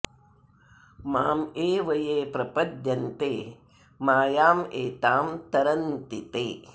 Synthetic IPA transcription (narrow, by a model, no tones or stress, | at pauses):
maːmeːʋɐjeːpɾɐpɐd̪jɐnt̪eː | maːjaːmeːt̪aːmt̪ɐɾɐnt̪it̪eː